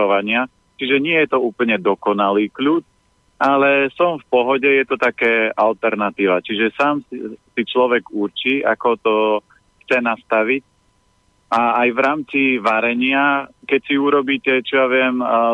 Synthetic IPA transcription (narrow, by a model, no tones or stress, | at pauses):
ɔʋaɲɪa | t͡ʃiʒɛɲɪɛjɛt̪ɔuːpl̩ɲɛd̪ɔkɔnaliːkluːt͡ʃ | alɛsɔmfpɔɦɔɟɛjɛt̪ɔt̪akɛːalt̪ɛɾnat̪iːʋat͡ʃiʒɛsaːmsit͡ʃlɔʋɛɡuɾt͡ʃiːa̰kɔt̪ɔ | xt͡sɛnast̪aʋic̚ | ʔaːjʋɾaːmt͡siʋaɾɛɲɪakɛcsiuɾɔbiːcɛt͡ʃɔjaʋɪɛm